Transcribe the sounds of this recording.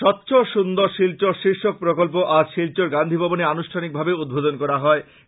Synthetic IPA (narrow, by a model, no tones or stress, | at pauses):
ʃɔtːɕʰoʃund̪oɾʃilt͡ɕoɾʃiɾʃok̚pɾokolp̬oʔad͡ʑʃilt͡ɕoɾɡand̪ʱibʱɔboneanuʃʈʰanik̚bʱabeud̪̚bʱod̪onkɔɾaɦɔe